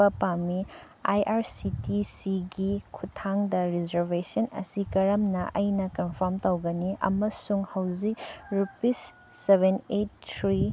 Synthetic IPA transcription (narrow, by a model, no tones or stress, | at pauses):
ɐpami | ajʔaɾsitisiɡikʰutʰaŋdɐɾizɐɾbesɐnɐ̰sikɐɾɐmnɐʔɐjnɐkɐnpʰoɾmtɐwɡɐniʔɐ̰mɐsuŋhɐwd͡ʒik̚ɾupisː | ebʱenet̚tʰɾi